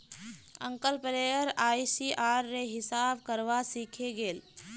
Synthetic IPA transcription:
ə̰̃ŋkəlpɾeːəɾaːisiʔaːɾːeɦɪsaːbkəɾʋasiːkʰeɡeːl

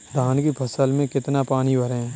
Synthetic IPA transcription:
d̪ʱaːnkipʰɐsəlmẽkɪt̪napaːnibʱɐɾẽ

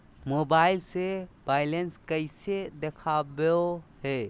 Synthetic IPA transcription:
mobailsebailenskəɪsed̪ekʰabeoɦe

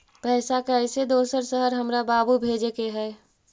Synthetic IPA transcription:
pɛːsakaəɪsed̪oːsəɾsəɦəɾɦəmɾabaːbubʱeːd͡ʒekeɦɛː

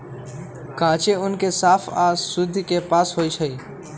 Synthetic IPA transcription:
kãːt͡ʃeːʊnkeːsaːfʰaːsʊd̪ʱkeːpaːsɦoːiːt͡ʃʰəiː

